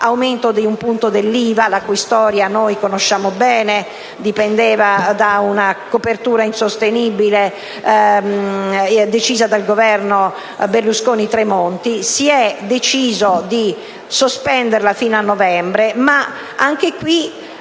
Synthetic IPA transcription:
awment̪od̪eumpunt̪od̪elːiːvalakuist̪ɔːɾjanojkonoʃːaːmobɛːne | d̪ipɛnd̪ɛːvad̪aunakopert̪uːɾainsost̪eniːbile | d̪et͡ʃiːzad̪alɡovɛrno | berluskoːnit̪ɾemont̪isiɛd̪et͡ʃiːzod̪i | sospɛnd̪eɾlafiːnanːɔvɛmbɾema | aŋk̟ekwi

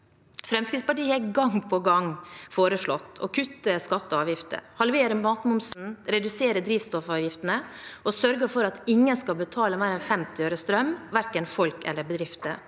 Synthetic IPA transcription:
fɾɛmskɾɪt̪spɑʈiːəhɛɡɑŋpʰɔɡɑŋfoːɾəʂɭɔt̪ːɔ̰kʰʉt̪ːəskɑt̪ːəɑːʋjɪft̪ə̰hɑlʋeːɾəmɑːt̪mʊmsn̩ɾɛd̪ʉseːɾəd̪ɾiːʋst̪ɔfɑːʋjɪft̪ənəɔsœɾɡəfɔɾɑt̪ɪŋːənskɑlbət̪ʰɑːləmæɪɾənfɛmt̪ɪøːɾəst̪ɾœmʋæɾkənfɔlkɛ̰lːəbəd̪ɾɪft̪ə̰

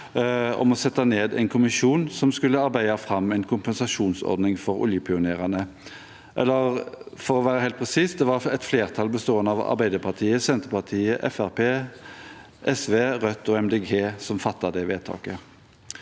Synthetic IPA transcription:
ɔ̰mɔsɛt̪ːɑneːd̪æ̰ɪnkʰʊmɪʃuːnsɔmskʉlːəɑɾbæɪɑfʁɑmɛɪnkʰʊmpɛnsɑʂuːnsɔ̰ɾd̪nɪŋfɔɾʊ̰ljəpʰɪʊneːʁɑnə | ʔɛ̰lːəʁfɔɾɔʋæːɾəhæɪlt̪̚pʰʁɛsiːsd̪ɛʋɑʁɛt̪fleːʁt̪ʰɑlbəst̪oːənəɑʋɑ̰ɾbæɪd̪əɾpʰɑt̪ʰiːəsɛnt̪əpɑʁt̪ʰiːəʔɛfæʁpeː | ʔɛsʋeːʁœt̪ːɔɛmd̪eːɡeːsɔmfɑt̪ːɑd̪ɛʋeːt̪ʰɑ̰ːkə

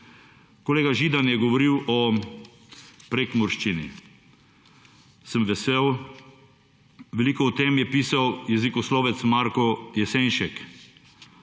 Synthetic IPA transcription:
koleːɡaʒiːd̪anjɛɡɔʋɔɾiwʔɔ | pɾekmɔɾʃt͡ʃinḭ | səmʋɛsew | ʋɛliːkɔɔt̪emjɛpiːsawjɛzikɔsloːʋɛt̪smaɾkɔjɛseːnʃɛk

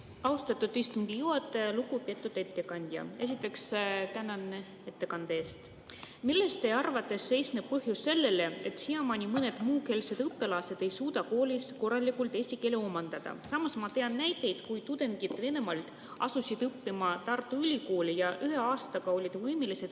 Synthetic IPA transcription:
ɑust̪ɑt̪ːˑud̪ist̪und̪̥ijuɑt̪ːˑelukupiet̪ːˑud̪e̞t̪ːˑe̞kɑnʲd̪̥ʲjɑ̰e̞s̬it̪ːˑe̞kst̪ænɑne | et̪ːe̞kɑnd̪̥eeːst̪ | milːe̞st̪e̞ɑrvɑt̪ˑːe̞sːe̞jsneb̥̚pɤɦjuse̞lːe̞le̞et̪siɑmɑnʲimɤne̞d̪̥muːke̞lse̞d̪ɯpːe̞lɑse̞d̪e̞jsuːd̪̥ɑko̞ːlʲisko̞rːɑlikult̪e̞sʲike̞leomɑnd̪̥ɑd̪̥ɑ̰sɑmɑsmɑt̪e̞ɑnːæjt̪ːˑe̞jd̪̥kujt̪ud̪̥e̞nɡ̥̪it̪ːˑve̞ne̞mɑlt̪ | ɑ̰susid̪̥ɯpːimɑt̪ɑrt̪ːˑuylʲiko̞ːlijɑʔyɦeɑːst̪ɑɡ̥ɑo̞lʲid̪̥vɤjme̞lise̞d̪̥

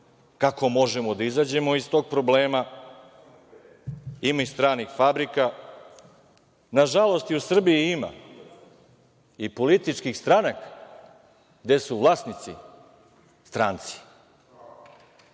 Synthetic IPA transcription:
kako̞mo̞ʒemo̞d̪aizad͡ʑe̞mo̞ist̪o̞ːɡ̚pɾo̞bleːma | imaist̪ɾaːnixfabɾika | naʒalˠo̞st̪iusr̩biiima̰ | ipolit̪it͡ʃkixst̪ɾanakḁ | ɡd̪esuʋlˠaːsnit̪sḭ | st̪ɾaːnt̪si̥

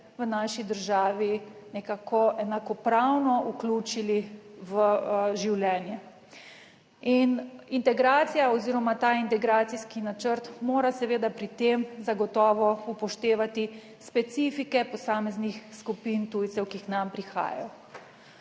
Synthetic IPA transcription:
ʋənaːʃid̪əɾʒaːʋinɛkakʰɔʔɛnakɔpɾawnɔʔuklʲuːt͡ʃiliʋəʒiwljɛːnjɛ | inint̪ɛɡɾaːt̪sijaɔziːɾɔmat̪aːint̪ɛɡɾaːt̪siskinat͡ʃəɾt̪moːɾasɛʋeːd̪apɾit̪emzaɡɔt̪ɔːʋɔupɔʃt̪eːʋat̪i | spɛt̪siːfikɛpɔsaːmɛznixskupint̪ujt̪sɛwkiːxnampɾixa̰ːj̰ɔ

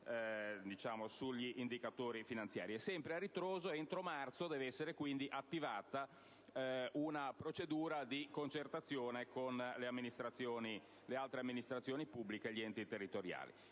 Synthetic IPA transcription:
d̪it͡ʃaːmosuʎːiʔːnd̪ikat̪oːɾifinant̪sja̰ːɾiɛsɛmpɾearːit̪ɾoːzoent̪ɾomart̪sod̪ɛːveɛsːeɾekwind̪iʔat̪ːivaːt̪a | ʔunapɾot͡ʃed̪uːɾad̪ikont͡ʃert̪at̪sːjoːnekonleamːinist̪ɾat̪sːjoːni | lealt̪ɾeamːinist̪ɾat̪sːjoːnipubːlikeʎːiɛnt̪it̪erːit̪oɾja̰ːlḭ

